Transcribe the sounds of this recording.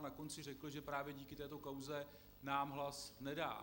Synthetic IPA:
nako̞nt͡sɪrɛkl̩ʒɛpɾaːvjɛɟiːkɪt̪ɛːt̪o̞kawzɛ | naːmɦlasnɛda̰ː

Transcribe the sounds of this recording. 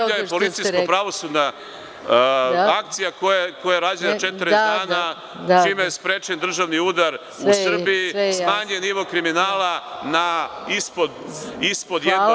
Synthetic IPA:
ʎajepo̞lit̪sijskopɾaʋo̞sud̪na | akt̪sijakojakojaɾaːd͡ʒenat͡ʃet̪ɾed̪aːna | t͡ʃimejespɾet͡ʃend̪r̩ʒaʋniud̪aɾ | usr̩biismaːɲeniʋo̞kɾiminaːlanaispod̪ispo̞d̪je

